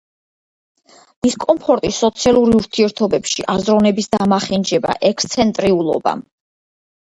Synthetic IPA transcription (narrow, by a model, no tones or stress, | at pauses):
miskʼɔmpʰɔɾt̪ʼisɔt̪sʰialˠuɾiuɾt̪ʰiɛɾt̪ʰɔbɛpʃiʔazɾɔnɛbisd̪amaχɛnd͡ʒɛba̰ʔɛkst̪sʰɛnt̪ʼɾiulˠɔ̰ba̰m